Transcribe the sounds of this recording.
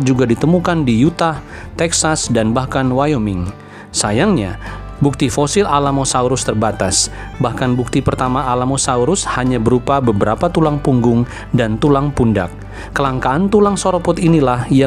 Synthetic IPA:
d͡ʒuɡadit̪əmukandijut̪a | t̪ɛksasdanbahkanwajomɪŋ | sajaŋɲa | buk̚t̪ifosɪlʔalamosauɾʊst̪ərbat̪as | bahkanbuk̚t̪ipərt̪amaːlamosauɾʊshaɲabəɾupabəbəɾapat̪ulaŋpuŋɡʊŋ | dant̪ulaŋpunda̰k̚ː | əlaŋkaːnt̪ulaŋsoɾopʊt̪inilahja

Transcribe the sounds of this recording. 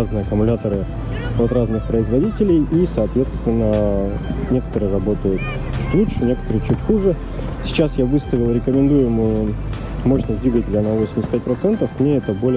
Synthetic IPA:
aznɨjəɐkʊmʊlʲat̪əɾɨ | ot̪ɾaznɨxpɾəɪzvɐdʲitʲɪlʲɪjisɐːt̪vʲe̞t̪st̪vʲɪnːə | nʲe̞kə̥t̪əɾɨjəɾɐbo̞t̪əjʊt̪ | t͡ɕu̥t̪ʲlˠuʂɨnʲe̞kə̥t̪əɾɨjt͡ɕːutʲxuʐɨ | sʲɪ̥t͡ɕasjavɨst̪əvʲɪlˠɾʲɪkəmʲɪnd̪ujʊɪmɨjʊ | moɕnəd̪vʲiɡətʲɪlʲənɐvosʲɪmʲɪsʲt̪̚ʲpʲæt̚ʲpɾɐt̪sɛnt̪əfmnʲeɛt̪əbolʲ

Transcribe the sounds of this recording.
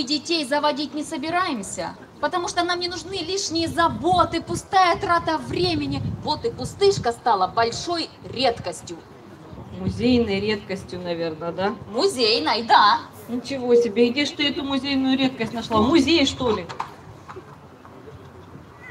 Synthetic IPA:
mɨdʲɪtʲejzəvɐdʲitʲnʲɪsəbʲɪɾajɪmsʲə̰ | pət̪ɐmuʂt̪onamnʲɪnʊʐnɨlʲiʂnʲɪjəzɐbo̞t̪ɨpʊst̪ajɐt̪ɾat̪əvɾʲemʲɪnʲɪvot̪ɨpʊst̪ɨʂkəst̪alˠəbɐlʲʂo̞j | ɾʲe̞t̪kəsʲtʲjʊ | mʊzʲejnəjɾʲet̪̚kəsʲtʲjʊnɐvʲernəd̪amʊzʲejnəjd̪a | nʲɪt͡ɕɪvo̞sʲɪbʲeɡdʲeʂt̪oɛt̪ʊmʊzʲejnʊjʊɾʲet̪̚kəsʲtʲnɐʂlˠamʊzʲejʂt̪o̞lʲɪ

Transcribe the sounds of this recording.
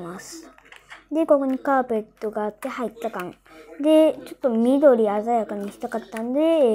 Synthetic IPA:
masɨ̥ | d̪e̞ko̞ko̞ɲ̟ikaːpe̞t̪ːo̞ɡaːt̪ːe̞hait̪ːakãŋ | d̪e̞t͡ɕo̞t̪ːo̞mʲid̪o̞ɾʲiazajakaɲ̟içi̥t̪akat̪ːãnd̪e̞

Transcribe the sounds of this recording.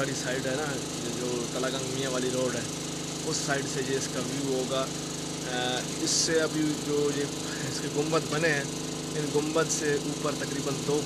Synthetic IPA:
əɽisaːɪɖɦɛna | d͡ʒoːk̪ɐlaːɡə̃ŋɡmijãʋaːliɾoːɖɦɛː | ʊsːaːɪɖsejeɪskaʋjuːɦoːɡaː | ɪsːeɐbʱid͡ʒoːje | ɪskeɡʊ̃mbət̪bɐneɦɛ̃ː | ɪnɡʊ̃mbət̪seʔuːpəɾt̪ɐkɾiːbənd̪oː

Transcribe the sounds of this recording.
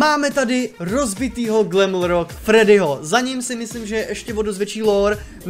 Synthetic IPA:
maːmɛt̪adɪɾo̞zbɪt̪iːɦo̞ɡlɛmlɾokfɾɛdɪɦozaɲimsɪmɪsliːmʒɛʔɛʃcɛvodozvjɛt͡ʃiːloɾ | m

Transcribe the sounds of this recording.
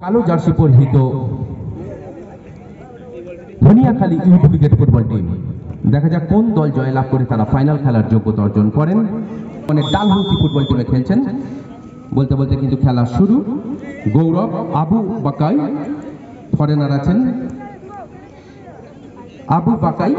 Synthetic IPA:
kalod͡ʑaɾʃipoɾɦit̪o | t̪ʰoniakʰaliʔibuliɡeʈpuɾbalʈḭmd̪ɛkʰad͡ʑakond̪ɔld͡ʑɔelab̚koɾet̪aɾafajnalkʰɛlaɾd͡ʑoɡːot̪ɔɾd͡ʑonkɔɾen | ɔneɖalɦokipuɾbalʈimekʰelt͡ɕʰen | bolt̪ebolt̪ekint̪ukʰɛlaʃuɾu | ɡowɾɔbabubakaj | p̪ʰɔɾenaɾat͡ɕʰen | abubakaj

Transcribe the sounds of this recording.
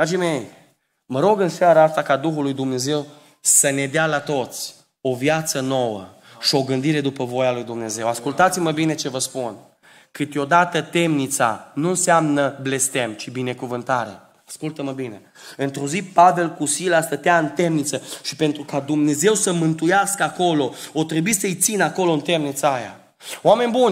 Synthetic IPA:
d̪ɾad͡ʒeme̞j | məɾo̞ɡɨnsjaɾəast̪akad̪uxulujd̪umne̞ze̞w | səne̞d̪ealat̪o̞t̪sʲ | o̞vjat̪səno̞wə̰ | ʃio̞ɡɨnd̪iɾe̞d̪upəvo̞jalujd̪umne̞ze̞waskult̪at̪siməbine̞t͡ʃe̞vəspun | kɨt̪o̞d̪at̪ət̪e̞mnit̪sa̰nunsamnəble̞st̪e̞mt͡ʃibine̞kuvɨnt̪aɾe̞̰ | askult̪əməbine̞ | ɨnt̪ɾo̞zipave̞lkusilast̪ət̪eaɨnt̪e̞mnit̪səʃi̥pe̞nt̪ɾukad̪umne̞ze̞wsəmɨnt̪ujaskəako̞lo̞ot̪ɾebuisəɨjt̪sinəako̞lo̞ɨnt̪e̞mnit̪saaja̰ | oame̞nʲbunʲ

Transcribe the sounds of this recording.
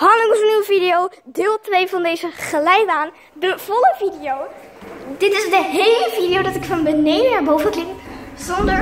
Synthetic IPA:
ɦɑlɪŋəsəniwəvidiowdɪːlˠtʋejvɑndejzəχəlɛjbaːn | dəv̥ɔləvidiow | dɪtɪzdəɦejləvidiowdɑtɪkfɑnbənejdənabowvəklɪkz̥ɔndə

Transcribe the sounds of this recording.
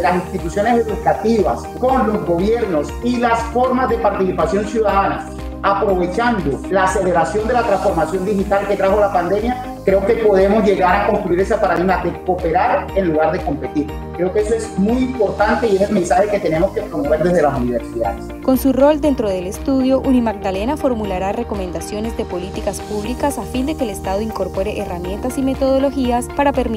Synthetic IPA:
lasinst̪it̪usjo̞nese̞ðukat̪iβa̰s | ko̞nlo̞zɡo̞β̞je̞ɾno̞silasfo̞ɾmazðe̞paɾt̪isipasjo̞nsjuðaðanas | apɾo̞βe̞t͡ʃand̪olaːse̞le̞ɾasjo̞nd̪e̞lat̪ɾãnsfo̞ɾmasjo̞nd̪ixit̪alke̞t̪ɾaxo̞lapand̪e̞mja | kɾe̞oke̞po̞ðe̞mo̞zʝe̞ɣaɾako̞nst̪ɾuiɾe̞sapaɾaðiɣmaðe̞ko̞pe̞ɾaɾenluɣaɾðe̞ko̞mpe̞t̪iɾ | kɾe̞okeesoezmujimpo̞ɾt̪ant̪e̞ie̞selme̞nsaxe̞ke̞t̪e̞ne̞mo̞skepɾomoβe̞ɾd̪e̞zðelasuniβe̞ɾsiðaðes | ko̞nsuro̞ld̪e̞nt̪ɾo̞ð̞e̞le̞st̪uðjo̞ʔunimaɡ̚d̪ale̞nafo̞ɾmulaɾare̞ko̞mẽ̞nd̪asjo̞ne̞zd̪e̞po̞lit̪ikaspuβlikasafind̪e̞keːlest̪aðoiŋko̞ɾpo̞ɾe̞ʔeramje̞nt̪asime̞t̪o̞ð̞o̞lo̞xiaspaɾapeɾm

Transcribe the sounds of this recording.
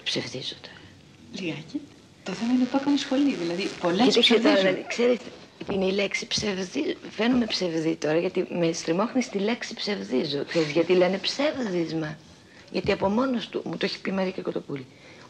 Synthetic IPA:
psevðizot̪ʰo̞ɾɐ | liɣɐci | t̪oθemɐinet̪okɐnisxo̞liðilɐðipo̞lesiset̪onɐkse̞ɾis | t̪ineile̞ksi̥psevðife̞nume̞pse̞vðit̪o̞ɾɐʝɐt̪imest̪ɾimo̞xnist̪ile̞ksipse̞vðizokseɾizʝɐt̪ilene̞pse̞vðizmɐ | ʝɐt̪iɐpo̞mo̞nost̪umut̪oçi̥pimɐɾiceko̞t̪o̞puli

